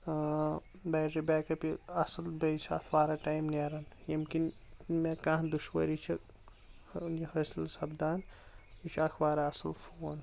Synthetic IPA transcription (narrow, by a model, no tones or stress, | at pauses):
baːɾibeːkɐpiɐsɐlbent͡ʃʰɐ̰t̪ʰʋaːɾaːʈaːjmneːɾɐnjimkinmekãːd̪uʃwɐ̰ɾit͡ʃʰi | nihɐsilsɐbd̪aːnit͡ʃʰakʰʋaːɾaɐsɐlfoːn